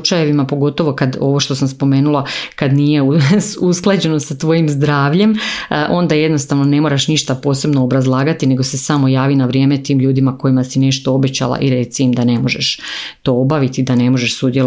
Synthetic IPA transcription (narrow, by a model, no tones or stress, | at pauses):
t͡ʃaje̞ʋimapo̞ɡo̞t̪o̞ʋo̞kad̪o̞̰ʋo̞ʃt̪o̞samspo̞me̞ːnulˠakad̪nije̞uusklˠad͡ʑe̞no̞sat̪ʋo̞jimzd̪ɾaːʋʎe̞mʔo̞nd̪aje̞d̪no̞st̪aʋno̞ne̞mo̞ɾaʃniʃt̪apo̞ːse̞bnoːbɾazlˠaːɡat̪ine̞ɡo̞se̞samo̞jaːʋinaʋɾjeːmet̪iːmʎuːd̪imako̞imasine̞ʃt̪oobe̞t͡ɕa̰la̰ʔiɾe̞t̪siimd̪ane̞mo̞ʒeʃt̪o̞obaʋit̪id̪ane̞mo̞ʒeʃsud̪jel